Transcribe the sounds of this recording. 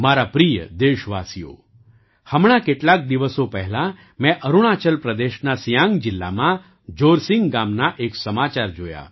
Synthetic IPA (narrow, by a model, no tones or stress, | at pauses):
maɾapɾijə̰d̪eʃʋasijo̰ | həmɳ̃akeʈlak̚d̪iʋəsopəɦɛlã | mɛ̃ʔəɾuɽ̃at͡ʃəlpɾəd̪eʃnasijãŋɡd͡ʑilːa̰mã | d͡ʒoɾsĩŋɡɡamnaʔeksəmat͡ʃaɾd͡ʒoja̰